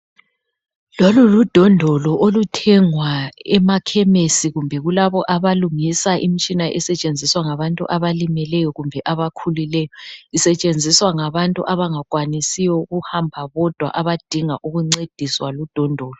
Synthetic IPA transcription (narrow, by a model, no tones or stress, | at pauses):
lɔlulud̥ʱɔndʱɔlɔʔolutʰɛŋwaɛmakʰɛmesiɣumbʱɛɣulaβɔʔaβaluŋisaʔḭm̩t͡ʃʼinaʔɛsɛt͡ʃʼend͡zʱiswaŋaβantʼṵʔaβalimɛlɛjɔɣumbʱɛʔaβakʰulilɛjɔisɛt͡ʃʼend͡zʱiswaŋaβantʼṵʔaβaŋaɣwanisijɔɣuhambʱaβɔd̥ʱwa̰ʔaβad̥ʱiŋaʔuɣuŋ͡ǀed̥ʱiswalud̥ʱɔndʱɔːlɔ